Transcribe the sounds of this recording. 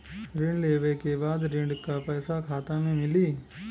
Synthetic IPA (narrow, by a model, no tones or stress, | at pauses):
ɾɪ̃ɳɖleːʋekebaːd̪ɾɪ̃ɳɖkapɛːsakʰaːt̪anẽmɪliː